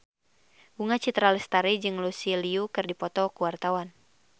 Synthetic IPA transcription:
ɡuŋat͡ʃit̪ɾalɛst̪aɾɛd͡ʒɨŋlusiliukɨrdipɔt̪ɔkuwart̪awan

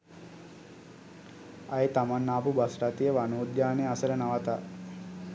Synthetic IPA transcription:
ajet̪amanːaːpubasʈat̪ijəʋanoːd̪jaːnejasələnaʋat̪a̰

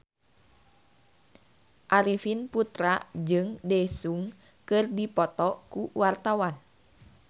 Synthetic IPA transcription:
ʔaɾifinput̪ɾad͡ʒɨŋdɛsuŋ | kɨrdipɔt̪ɔkuwart̪awan

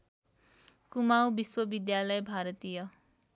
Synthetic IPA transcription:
kumawbiswʌbid̪jalʌjbʱaɾʌt̪ijʌ

